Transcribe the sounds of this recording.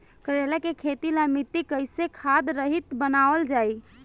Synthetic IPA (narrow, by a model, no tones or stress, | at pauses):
kəɾelakekʰet̪ilamit̪ːikəjsekʰad̪ɾəɦit̪bənaʋəld͡ʒaj